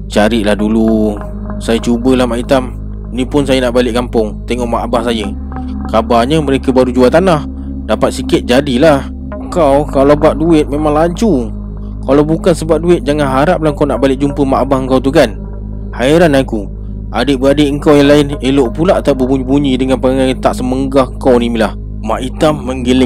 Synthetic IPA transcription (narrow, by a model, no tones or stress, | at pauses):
t͡ʃaɾɪʔlahdulu | sajat͡ʃubəlahmaʔit̪am | nĩpʊnsajənaʔbalɪʔkampʊŋt̪eŋɔʔmaʔbahsajə | kabaɲəməɾekəbaɾud͡ʒuat̪anah | dapat̪̚sikɪt̪̚d͡ʒadilah | əŋkawkalawbaʔ̚duɪt̪̚memaŋlaɲt͡ʃu | kalawbukansəbaʔ̚duɪt̪̚d͡ʒaŋanɦaɾap̚lahŋkawnaʔbalɪʔ̚d͡ʒumpəmaʔbahəŋkawt̪ukan | haiɾanaku | ʔadəʔbəadəʔəŋkawjaŋlaɪneloʔpulaʔt̪abəbuɲibuɲĩdəŋanpaaŋat̪aʔsəməŋɡahkawnimilah | maʔit̪amːəŋɡelɪ